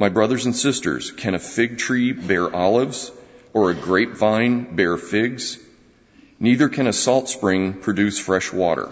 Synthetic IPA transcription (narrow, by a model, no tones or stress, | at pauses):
maɪbɹʌðə˞zɨ̃n̩sɪstə̰˞z̥kʰɨ̃ñɨfɪɡ̚tʰɹ̥ibɛɹʔɑlˠɪvz̥ə˞ɨɡɹeɪpv̥ãɪ̃nbɛɹfɪɡz̥ | niðə˞kʰɨ̃ñɨsɔlˠtspɹɪ̃ŋpʰɹ̥ɨdʉsfɹɛʃwɔ̰ɾə̰˞